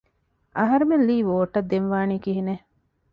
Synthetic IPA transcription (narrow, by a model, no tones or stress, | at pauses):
ʔɐɦɐɾemelliːʋoːʈːɐd̪ːenʋaːniːkiɦine